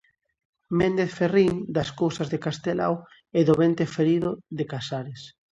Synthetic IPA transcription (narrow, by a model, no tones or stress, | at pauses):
mẽnd̪eθferiŋd̪askowsazðekast̪ela̰w | eðoβent̪efeɾiðʊðekasaɾes